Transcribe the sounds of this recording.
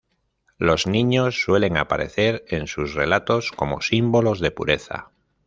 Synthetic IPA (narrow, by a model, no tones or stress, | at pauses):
lo̞znĩɲo̞sːwe̞le̞ŋa̰paɾe̞̰θe̞ɾe̞nsusre̞lat̪o̞sko̞mo̞̰simbo̞lo̞zðe̞pṵɾe̞θa̰